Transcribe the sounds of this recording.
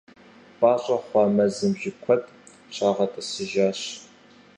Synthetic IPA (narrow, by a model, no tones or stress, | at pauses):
pʼaːɕʼɐχʷɑːmɐzɨmʒɪkʷʰɔtʼ | t͡ʃʷʰaːʁɐtʼɐsɨʒaːɕ